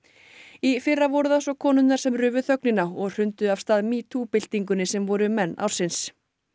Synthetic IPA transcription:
ifɪrːavɔɾʏðθasɔkʰɔːnʏnːaɾ̥sɛmrʏːvʏθœknɪnaɔɣr̥ʏnt̪ʏav̥st̪aːðmiːt̪ʰupɪl̥t̪iŋkʏnɪsɛmvɔɾʏmɛnːa̰w̥sɪns

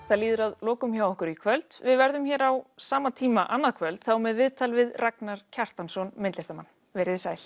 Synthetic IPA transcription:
θaðliːðʏɾaðlɔːkʏmçawɔhkʏɾikʰvœlt̪vɪðvɛɾðʏmçɛːɾawsaːmat̪ʰiːmaʔanːaðkʰvœlt̪θawmɛðvɪðt̪ʰalvɪðrʔaknaɾ̥cʰar̥t̪ansɔnmɪnt̪ɪst̪ama̰nː | vɛːɾɪðsaːjl̥

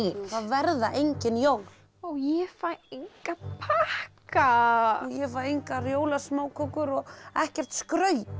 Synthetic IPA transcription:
θavɛɾðaʔejɲcɪnjowl̥ | owjɛfaeŋkapʰahkajɛfaejŋkarjoːwlasmoːwkʰɔkʏɾɔɣɛhcɛr̥t̪skɾœːɥ

